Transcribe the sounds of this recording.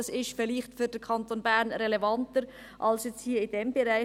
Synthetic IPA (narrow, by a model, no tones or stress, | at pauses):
ɑsɪʃfɪliχtfyɾd̥əɾkʰɑntonbæːɾnɾɛlevɑntəɾ | ʔɑlsjɛt͡sthiːəɪd̥ɛmbɛɾaɪ